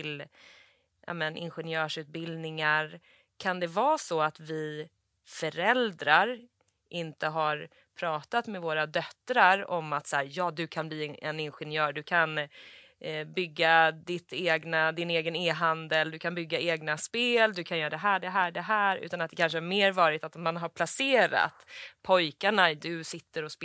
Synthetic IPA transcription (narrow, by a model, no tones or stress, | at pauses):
ɪl | ja̰mɛnʔɪ̰nɧɛnjœːʂʉ̟ːt̪̚bɪld̪nɪŋaɾ | kʰand̪ɛvɑːsɔat̪vɪ | fœɾɛld̪ɾaɾ | ʔɪnt̪əɦaɾ | pʰɾɑːt̪at̪mɛvoːɾad̪œt̪ːɾaɾɔmːat̪sæːɾjɑːd̪ɵkʰanbliːɛnɪnɧɛnjœːɾɖɵkʰan | bʏɡːad̪ɪt̪eːɡnad̪ɪneːɡəneːɦand̪əld̪ɵkʰanbʏɡːaeːɡnaspeːld̪ɵkʰanjœːɾad̪ɛɦæːɖɛɦæːɖɛɦæːɾʉ̰ːt̪anat̪̚d̪ɛkʰanʂəæɾmeːɾvɑːɾɪt̪at̪ɔmmːanɦaɾpʰlaseːɾa̰t̪pʰɔjkaɳad̪ɵsɪt̪ːəɾɔspː